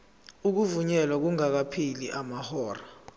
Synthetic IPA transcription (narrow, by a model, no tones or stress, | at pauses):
uk̬uvuɲɛlwak̬uŋak̬apʰiliʔamahɔːra